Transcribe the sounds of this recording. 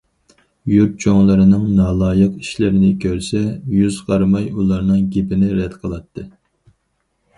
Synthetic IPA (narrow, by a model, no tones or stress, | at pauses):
juɾt̪̚t͡ʃʰoŋlˠɨɾɨnɨŋnɑːlˠɑːjɨqi̥ʃlɪɾɪnɪkʲʰøɾsɛjyzʁɑɾmɑjulˠɑɾnɨŋɡʲepɪnɪɾɛd̪qʰəlˠɑt̪ʰːɨ